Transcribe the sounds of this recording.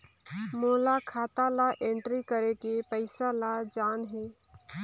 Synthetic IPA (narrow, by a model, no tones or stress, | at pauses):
moːlakʰaːt̪alaʔẽɳʈɾikəɾekepəɪsalad͡ʒaːnɦeː